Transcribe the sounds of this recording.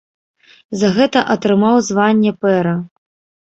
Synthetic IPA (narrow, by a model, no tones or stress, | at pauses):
zɐɣɛt̪ɐʔɐt̪ɾɨmawzvanʲːɛpɛɾɐ